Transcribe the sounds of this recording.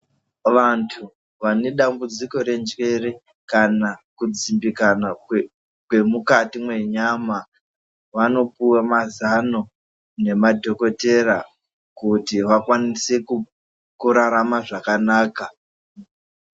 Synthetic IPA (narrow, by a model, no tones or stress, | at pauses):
ʋantʰu | ʋane̞ɗambud͡ziko̞ɾe̞nd͡ʒwe̞re | kanakud͡zimbikana | kwe̞mukatimwe̞ɲama | ʋano̞puwamazano̞ | ne̞madʱo̞ko̞te̞ɾa | kutiʋakwanise̞ku | kuɾaɾamaʐakanaːka